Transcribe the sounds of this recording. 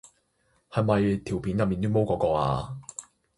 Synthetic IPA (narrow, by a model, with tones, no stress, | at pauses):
hɐ˨jmɐ˨jt̪ʰi˨˩wpʰiː˨˥njɐ˨p̚miː˨nt̪yː˥mo˥wkɔː˨˧kɔː˧a̰ː˧